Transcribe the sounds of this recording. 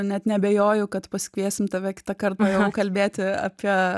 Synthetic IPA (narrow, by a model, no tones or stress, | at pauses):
nʲɛt̪nʲɛbʲejoːjʊkɐt̪pɐsʲɪ̥kʋʲiɛsʲt̪ʲɪmt̪ɐʋʲɛkʲɪ̥t̪ɐkɐrt̪ɐjɛʊkɐlʲbʲeːt̪ʲɪɐ̰pʲiɛ